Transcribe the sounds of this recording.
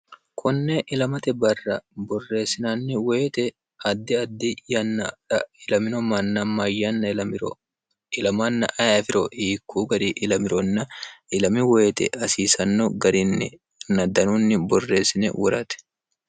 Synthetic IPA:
kʰʊnːeʔɪlɐmɐt̪ɛbɐrːɐbɔrːe̞ːsːɪnaːnːɪweːt̪ɛ | ɐd̪ːɪɐd̪ːɪjɐnːɐᶑɐɪlɐmɪnɔmɐnːɐmɐjːɐnːɐɪɾ | ɪlɐmanːɐ̰ʔɐjafɪɾɔiːkːuːɡɐɾiʔɪlɐmɪɾɔnːɐɪlɐmɪweːt̪ɛ̰ɐsiːsɐnːɔɡɐɾɪnːɪ̰ | nːɐd̪ɐnunːɪbɔrːe̞ːsːɪnɛ̰wʔɔɾɐt̪ɛ̥

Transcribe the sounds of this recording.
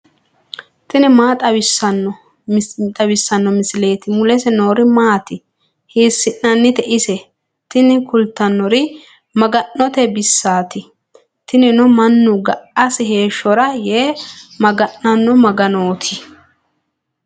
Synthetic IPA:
t̪ɪnɪmaːt̪ʼɐɪsɐnːɔ | t̪ʼɐbɪsːɐnːɔmɪsɪle̞ːt̪ɪmʊlɛsɛno̞ːɾɪmaːt̪ɪ | hiːsːɪnnɐnːɪt̪ɛʔɪsɛ | t̪ɪnɪkʊlt̪ːɐnːɔɾɪ | mɐɡɐnːɔt̪ɛbɪsːaːt̪ɪ | t̪ɪnɪnʊmɐnːʊɡɐʔɐsɪɦe̞ːʃːɔɾɐjeːmɐɡɐnːɐnːɔmɐɡɐnoːt̪ʰɪ

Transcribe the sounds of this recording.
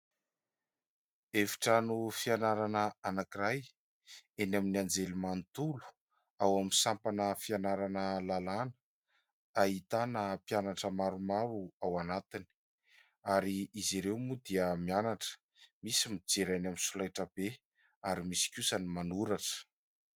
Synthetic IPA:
evi̥ʈ͡ʂanufianaɾanəanakiɾaj | enaminiand͡zelimant̪ulu̥ | awamisampanəfianaɾanəlalanə̥ | aɦit̪anəpijanaʈ͡ʂəmaɾumaɾuawanat̪ini̥ | aɾiiziɾewmud̪iəmianaʈ͡ʂə̥ | misimid͡ʒeɾajnaminsulajʈ͡ʂəb̥e | aɾimisi̥kʲusanimanuɾaʈ͡ʂə̥

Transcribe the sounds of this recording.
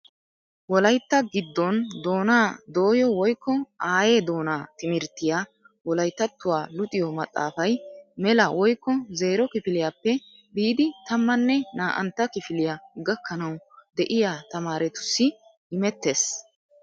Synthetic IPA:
wɔlɐjt̪ːɐɡɪd̪ːɔnd̪o̞ːnaːd̪o̞ːjɔwɔjkːɔaːje̞ːd̪o̞ːnaːt̪ɪmɪɾt̪ːɪjaː | wɔlɐjt̪ːɐt̪ːʊwaːlʊt̪ʼɪjɔmɐt̪ʼːa̰ːfɐjmɛlɐwɔjkːɔze̞ːɾɔkɪfɪlɪjaːpːɛ | biːd̪ɪt̪ɐmːɐnːɛnaːʔɐ̰nt̪ːɐkɪfɪlɪjaɡɐkːɐnɐwd̪ɛʔɪjat̪ɐmaːɾɛt̪ʊ̥sːɪ | ɪmɛt̪ːe̞ːs

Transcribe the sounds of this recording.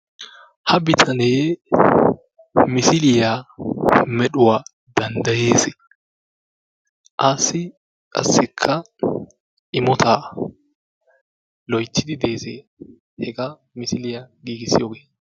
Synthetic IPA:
hɐbɪt̪ʰɐneː | mɪsɪlɪja | mɛɗʊwaː | d̪̥ɐnd̪ɐje̞ːsɪ | ʔɐsɪ | kʼɐ̰sːɪkʰːɐ | ɪmɔt̪ʰaː | lɔjtːɪd̪ɪd̪eːsḛː | hɛɡɐ | mɪsɪlɪjaɡiːɡɪsɪjoːɡeː

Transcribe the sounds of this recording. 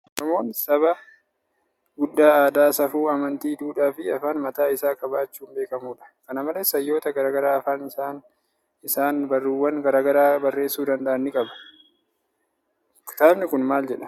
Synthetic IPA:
nɔmo̞ːnsɐβɐ | ɡʊd̪ːaːaːd̪aːsɐfuːɐmɐnt̪iːd̪uːᶑaːfɪɐfaːnmɐt̪aːɪsaːkʼɐbaːt͡ʃːuːmbe̞ːkɐmuːᶑɐ̥kɐnɐmɐlesɐjːo̞ːt̪ɐɡɐɾaːɡɐɾaːɐfaːnɪsaːn | ɪsaːnbɐrːuːwːɐŋɡɐɾaːɡɐɾaːbɐrːe̞ːsːuːd̪ɐnd̪ɐʔɐnːɪkʼɐbɐ̥ | kt̪aːbnɪkʊnmaːld͡ʒɛᶑɐ̥

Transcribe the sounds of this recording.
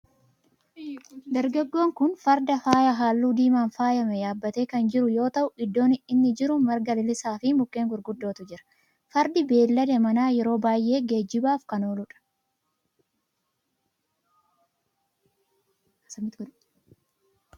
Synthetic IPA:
d̪ɐɾɡɐɡːo̞ːŋkʊnfɐɾd̪ɐfaːjɐɦaːlːuːd̪iːmaːnfaːjɐmɛjaːbːɐt̪e̞ːkɐnd͡ʒɪɾʊjo̞ːt̪ɐʔʊɪd̪ːo̞ːnɪɪnːɪd͡ʒɪɾʊmɐɾɡɐlɪlɪsaːfɪmʊkʼːeːŋɡʊɾɡʊd̪ːo̞ːt̪ʊd͡ʒɪɾɐ̥ | fɐɾd̪ɪbe̞ːlːɐd̪ɛmɐnaːjɛɾo̞ːbaːjʔe̞ːɡe̞ːd͡ʒːɪbaːfkɐno̞ːlʊᶑɐ̥ | ɐmt̪

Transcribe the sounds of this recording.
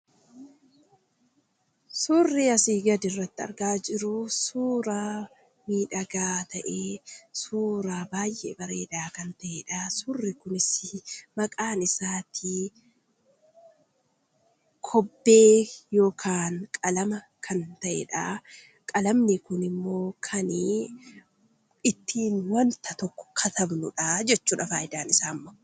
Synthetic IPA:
suːrːɪɐsiːɡɐd̪ɪrːɐt̪ːɪɐ̰ɾɡaːd͡ʒɪɾʊsuːɾaː | miːᶑɐɡaːt̪ɐʔeːsuːɾaːbaːjʔḛbɐɾeːᶑaːkɐnt̪ɐʔeᶑaːsʊrːɪkʊnɪsɪmɐkʼaːnɪsaːt̪ʰiː | kʰɔbːeːjo̞ːkʰaːnkʼɐlɐmɐ | kʰɐnt̪ɐʔɛ̰ᶑaː | kʼɐlɐmnɪkʊnɪmːo̞ːkʰɐnɪ | ɪt̪ːiːnwɐnt̪ɐt̪ɔkːɔ̥kʰɐt̪ʰɐbnʊᶑaːd͡ʒɛt͡ʃːuːᶑɐfaːjɪd̪aːnɪsaːmːɐ

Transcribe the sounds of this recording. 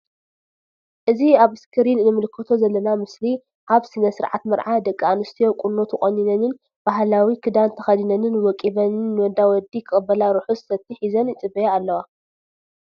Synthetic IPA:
ʔɨziaβɨskʰɨɾinnɨmɨlɨkʰːɐt̪ʰo̞zɐlːɐnamɨsli | ʔaβsɨnɐsɨɾʕa̰t̪mɐɾʕad̪ɐkʼːianɨst̪ʰijo̞kʷʼunːot̪ʰuxʼoɲːinɐnɨn | b̥aɦlawikʰɨd̪ant̪ʰɐxɐd̪inɐnɨnwɔkʼiβɐnɨnːɨwɔnd̪awɔd̪ikʰɨxʼɨbːɐlaɾuħussɐt̪ʰːiħizɐnɪt͡sʼɨbɐjaalːɐwa

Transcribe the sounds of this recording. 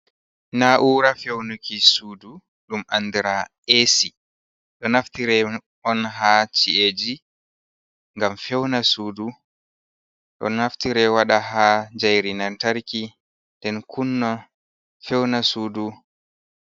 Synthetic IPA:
naʔuːɾafewnukisuːdu | ɗumʔanːdiɾaʔesi | ɗɔnaftiɾɛ | ɔnɦat͡ʃied͡ʒi | ŋɡamfɛwnasuːdu | ɗɔ̰naftiɾɛwaɗaɦad͡ʒajɾinantaɾki | ndɛnkʰunːɔ | fɛwnasuːdu

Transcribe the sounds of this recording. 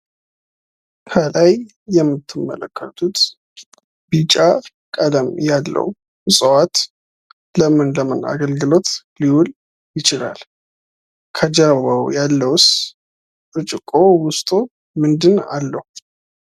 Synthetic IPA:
kʰəlajː | ɛmːɨt̪ʰːɨmːə̰ləkʰːə̰t̪ʰut̪ | bit͡ʃʼːa | kʼəd̪əmjalːə̰w | sʼəwat̪ | ləmɨnləmɨna̰ɡəlɡɨlo̞t̪ | liwul | jɪt͡ʃɪla̰l | kʰəd͡ʒawəwjalːəws | ɾɨt͡ʃʼɪkʼowʊst̪ʼu | mɨnd̪ɨna̰lːəhu

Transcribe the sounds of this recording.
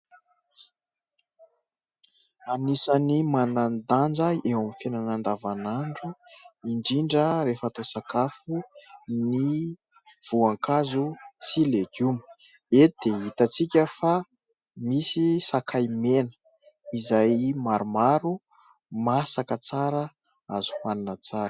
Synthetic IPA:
anisanimanand̪and͡zaewamifenanand̪avanaɳɖ͡ʐuiɳɖ͡ʐiɳɖ͡ʐəɾefat̪osakafuni | v̥uaŋkazusileɡumə̥ | ed̪̥eɦit̪at͡sikʲəfa | misisakʰajmenə̥ | izajmaɾumaɾu | masakət͡saɾə | azu̥haninət͡saɾə

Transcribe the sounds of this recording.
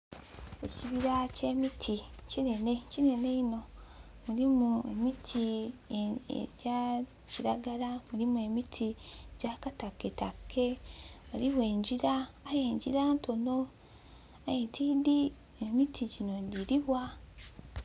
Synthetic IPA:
ḛciβiɾace̞ːmitʰicine̞necine̞ne̞ino̞ | mulimue̞̰mitʰi | ḛβja | ciɾaɡalamuɾimue̞mitʰieɟakatakːe̞takʰːe̞βaliβwe̞ːɲɟiɾaːje̞ːɲɟiɾaːnto̞no | ajetʰiːdi | emitʰiɟino̞diɾiβwa

